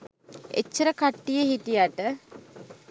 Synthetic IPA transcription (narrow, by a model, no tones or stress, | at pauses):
ḛt͡ʃːəɾəkaʈːijəɦitijaʈə